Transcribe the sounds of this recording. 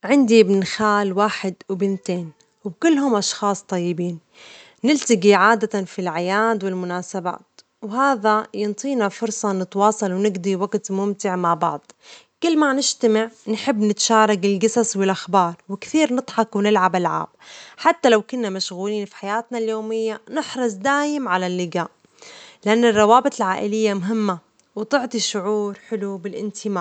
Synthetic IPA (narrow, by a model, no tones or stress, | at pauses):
ʕɪnd̪iɪbnxaːlwaːħɪd̪wbɪnt̪eːn | wbkʊlːɦʊmʔɑʃxɑːsˤt̪ˤɑjːɪbiːn | nɪlt̪aɡiʕaːd̪at̪anfilʕajaːd̪wɪlmʊnaːsaba̰ːt̪ | wɦaːðajɪnt̪ˤiːnafʊɾsˤɑnɪt̪wɑːsˤɑlwnɪɡd̪iwaɡt̪mʊmt̪ɪʕmaʕbɑʕd̪̥ˤ | kɪlːmanɪʃt̪amɪʕnħɪbːnɪt̪ḁʃaːɾˤɑɡɪlɡɑsɑswɪlʔaxbɑːɾˤwɪkθiːɾnɨt̪ˤħɑkwnɪlʕabɪlʕa̰ːb̚ħat̪ːalawkʊnːamaʃɣuːliːnfi̥ħajaːt̪naljoːmɪjːanɪħɾˤɑs̬ˤd̪aːjɪmʕalalːɪɡaːʔ | lɪʔanːɨrˤːɑwaːbɪt̪ˤɪlʕaːʔɪlɪjːamʊɦɪmːa | wɪt̪ʊʕt̪ˤiʃʊʕuːɾħɪlubɪlʔɪnt̪ʰɪmaː